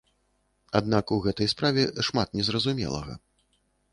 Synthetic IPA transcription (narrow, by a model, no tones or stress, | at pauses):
ad̪nakuɣɛt̪ɐjspɾavʲɛʂmat̪̚nʲɛzɾɐzumʲɛ̰lˠɐ̰ɣɐ̰